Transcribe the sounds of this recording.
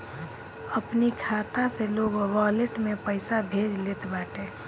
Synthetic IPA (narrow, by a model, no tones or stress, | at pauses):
əpnikʰaːt̪aseloːɡʋaːleʈmepəɪsabʱeːd͡ʒlet̪ʰbaːʈe